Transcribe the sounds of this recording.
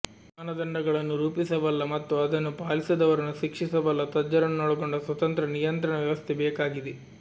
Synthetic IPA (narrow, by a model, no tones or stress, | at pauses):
ɐnɐd̪ɐɳɖɐɡɐɭɐnːuɾuːpisɐʋɐlːɐmɐt̪ːuɐd̪ɐnːupaːlisɐd̪ɐʋɐɾɐnːuʃikʂisɐʋɐlːɐt̪ɐd͡ʒɐɾɐnunɔɽɐɡoɳɖɐsʋɐt̪ɐnt̪ɾɐnijɐnt̪ɾɐɳɐʋjɐʋɐst̪ʰɛbɛːkaːɡid̪e